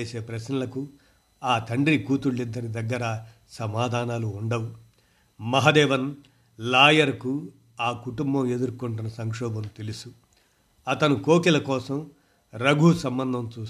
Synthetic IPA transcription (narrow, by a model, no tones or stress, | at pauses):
eːse̞ːpɾɐsnɐlɐku | aːt̪ʰɐɳɖɾikuːt̪uɭːid̪ːɐɾid̪ɐɡːɐɾa | sɐmaːd̪ʱaːnaːluːɳɖɐwu | mɐɦɐd̪ɛːʋɐn | laːjɐɾɐku | aːkuʈumbɐme̞d̪uɾkuɳʈunɐsɐŋkʂɔːbɐmt̪e̞lusu | ɐt̪ɐnukoːkilɐkɔːsɐm | ɾɐɡʱuːsɐmbɐnd̪ʱɐmt͡ʃuː